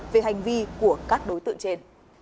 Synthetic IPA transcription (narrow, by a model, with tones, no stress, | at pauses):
ve˨˩ɦa˨˩jŋ̟vi˧ku˧˩əkaː˦˥k̚ɗo˨˦jt̪ɨ̰˧˨ŋt͡ɕe˧n